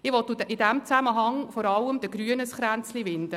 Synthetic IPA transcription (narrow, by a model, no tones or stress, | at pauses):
ɪʋɔt̪ːuɪdæmt͡sæməɦɑŋfɔɾɑlːəmd̪əɡɾyənəsχɾænt͡sliʋɪnd̥̪ə